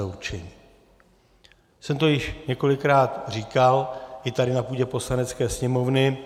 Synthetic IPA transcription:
ut͡ʃɛɲiː | sɛmt̪o̞jɪʃɲɛko̞lɪkɾaːt̪r̝iːkalʔɪt̪aɾɪnapuːɟɛpo̞slanɛt͡skɛːsɲɛmo̞vnɪ

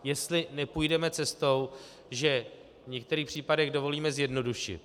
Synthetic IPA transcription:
jɛst̪lɪnɛpujdɛmɛt͡sɛst̪o̞w | ʒɛ | vɲɛk̚t̪ɛɾiːxpr̝̥iːpadɛɣdo̞vo̞liːmɛzjɛdno̞duʃɪ̰t̪

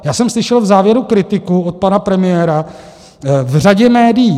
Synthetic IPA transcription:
jaːsɛmslɪʃɛlvzaːvjɛɾukɾɪt̪ɪkuot̪̚panapɾɛmɪjɛːɾa | vr̝aɟɛmɛːdɪjː

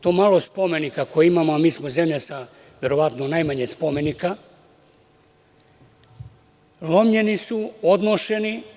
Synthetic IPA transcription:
t̪omalˠospo̞me̞nikako̞jeimamoamiːsmoze̞mʎasa | ʋʲe̞ɾo̞ʋat̪nonajmaɲespo̞me̞nika | lo̞mʎe̞nisuod̪noʃe̞ni

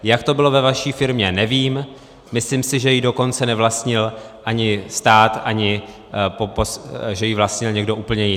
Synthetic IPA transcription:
jakt̪o̞bɪlo̞vɛvaʃiːfɪɾmɲɛnɛviːm | mɪslimsɪʒɛjɪdo̞ko̞nt͡sɛnɛvlast̪ɲɪlʔaɲɪst̪aːt̪ʔaɲɪ | poposʒɛjɪvlast̪ɲɪlɲɛɡdo̞ʔuːpl̩ɲɛjɪ

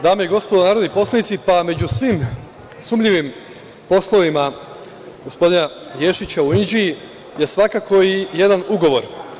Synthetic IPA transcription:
d̪aːmejiɡo̞spo̞d̪onaːɾod̪nipo̞slˠanit̪sipame̞d͡ʑusʋiːm | sumʎiʋim | po̞slˠo̞ʋima | ɡo̞spo̞d̪inajeʃit͡ɕauind͡ʑii | je̞sʋakakʰo̞ije̞d̪anuɡo̞ʋo̞ɾ

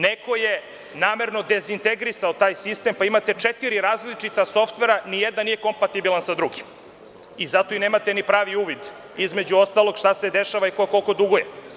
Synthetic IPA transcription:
neko̞je | naːme̞ɾno̞d̪e̞zint̪eɡɾisaot̪aːjsist̪e̞mpaimat̪e̞t͡ʂet̪iɾiɾaːzlit͡ʂit̪aso̞ft̪ʋeɾanijed̪nanijeko̞mpat̪ibilˠansad̪ɾuɡim | izat̪oine̞ːmat̪e̞nipɾaːʋiuːʋid̪ | izmed͡ʑuo̞st̪alo̞ɡ̥ʃt̪ase̞d̪eʃaʋaikoko̞lkod̪uɡoje

